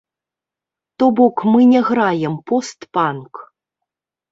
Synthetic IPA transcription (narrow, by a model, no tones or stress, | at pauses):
t̪ɔbɔkmɨnʲɛɣɾajɛmpɔst̪pank